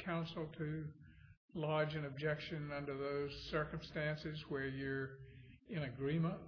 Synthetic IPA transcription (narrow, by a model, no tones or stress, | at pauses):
kʰãʊ̃nsl̩ˠtʰɨ | lɑd͡ʒɨ̃nɨb̚d͡ʒɛkʃɨ̃nʌ̃ndə˞ðoʊz̥sɜ˞kə̃mstæ̃nsɪzwə˞jə˞ | ɨ̃nɨɡɹĩmə̃nt̚